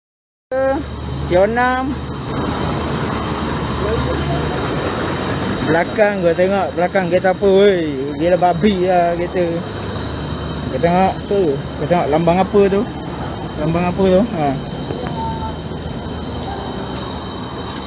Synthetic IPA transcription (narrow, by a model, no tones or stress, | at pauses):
ət̪ijonam | bəlakaŋɡot̪eŋɔʔbəlakaŋɡet̪̬aapəojɡilababiaket̪ə | ɡoʔt̪eŋɔʔtu | kot̪eŋɔʔlambaŋapət̪̬u | lambaŋapət̪ua